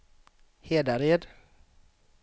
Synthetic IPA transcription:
heːd̪aɾeːd̪

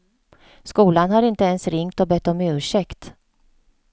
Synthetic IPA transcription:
skuːlanɦaɾɪnt̪əɛnsɾɪŋt̪ɔbɛt̪ːɔmɪʉɵ̟ːʂɛkt̪

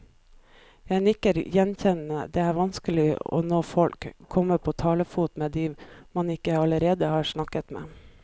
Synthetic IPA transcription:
jæɪnɪkəɾjɛnçɛnəd̪eːæːɾʋɑnskəlɪɔ̰noːfɔlkʰːɔmːəpʰoːt̪ʰɑːləfuːt̪meːd̪iːmɑnɪkːəɑləɾeːd̪əhɑːʂnɑkːət̪mḛː

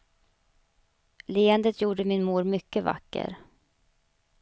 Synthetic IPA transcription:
leːənd̪ət̪ʰjuːɖəmɪnmuːɾmʏkːəva̰kːə̰ɾ

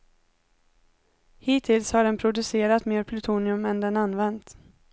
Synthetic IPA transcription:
hiːt̪ʰɪlshaɖɛnpʰɾʊd̪ɵseːɾat̪meːɾpʰlɵt̪ʰuːnɪɵmɛnd̪ɛnanvɛnt̪

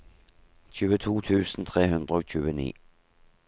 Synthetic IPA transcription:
çʉːət̪ʰuːt̪ʰʉːsn̩t̪ʰʁeːɦʉnd̪ʁəoːɕʉːənḭː

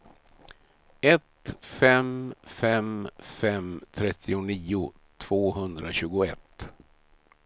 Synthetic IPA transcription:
ɛt̪fɛmfɛmfɛmt̪ʰɾɛt̪ʰːɪʊniːʊ | t̪ʰv̥oːɦɵnd̪ɾaɕʉ̟ːɡʊɛt̪ː

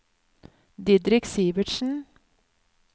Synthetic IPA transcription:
d̪ɪd̪ɾɪksiːʋɪʈʃn̩

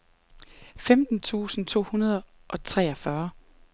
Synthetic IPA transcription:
femd̥n̩t͡sʰṵːsn̩t͡sʰo̝̰ːhunɐð̞ˠ | ʔɒ̽t͡sʰʁɛ̰ːɒfɶɐ

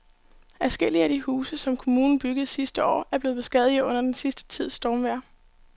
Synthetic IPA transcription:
æsɡ̥el̰iəæd̥ihuːsəsɒ̽mkʰo̝muːnn̩b̥yɡ̥əð̩ˠsisd̥əɒ̰ːæɐb̥le̝ːð̩ˠbe̝sɡ̥ɛð̞ˠiɔ̽n̰ɐd̥ensisd̥ə̥t͡sʰið̰ˠsd̥ɒːmʋæɐ̰

